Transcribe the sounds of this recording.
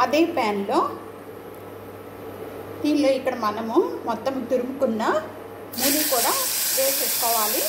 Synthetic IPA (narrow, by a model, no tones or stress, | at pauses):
ɐd̪eːpaːnloː | d̪iːnloːikːɐɽɐmɐnɐmumɔt̪ːɐmt̪iɾumukunːɐ | miːluʋkuːɽaːʋeːseskɔːʋaːli